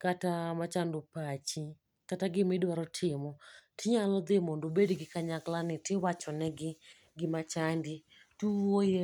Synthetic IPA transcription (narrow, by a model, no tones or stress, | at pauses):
katamat͡ʃandʊpat͡ʃi | kataɡɪmɪdwaɾɔtʰɪmɔtʰɪɲalɔd̪ɪmondobedɡɪkaɲaklanɪtɪwat͡ʃɔnɛɡɪ | ɡɪmat͡ʃandi | tuwoje